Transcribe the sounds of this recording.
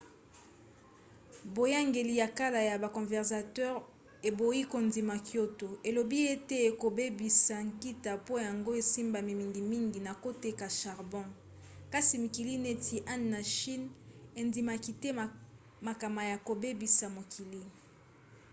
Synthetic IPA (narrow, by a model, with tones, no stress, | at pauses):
bo˨ja˦ŋɡe˨li˨ja˨ka˦la˨ja˨ba˨kɔ̃˨vɛ˨ʁsa˨tɛ˦ʁ | e˨bo˨i˦ko˨ndi˨ma˨kjo˦to˨e˨lo˨bi˦e˦te˦e˨ko˨be˦bi˨sa˨ŋki˦ta˨po˦ja˨ŋɡo˦e˨si˦mba˨mi˨mi˨ŋɡi˨mi˦ŋɡi˨na˨ko˦te˨ka˨ʃa˨ʁbɔ̃˦ | ka˦si˨mi˨ki˨li˦ne˦tʰi˨ʔa˦nːa˨ʃi˦ne˨ndi˨ma˨ki˨te˦˨ | ma˨ka˨ma˨ja˨ko˨be˦bi˨sa˨mo˨kʰi˨li˦